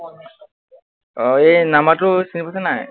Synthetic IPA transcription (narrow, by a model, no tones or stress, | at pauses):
ɔenamatʊsinipatʰanaj